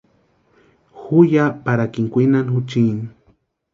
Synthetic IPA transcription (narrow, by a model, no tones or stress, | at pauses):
xujapaɾakiŋkʷinanxut͡ʃini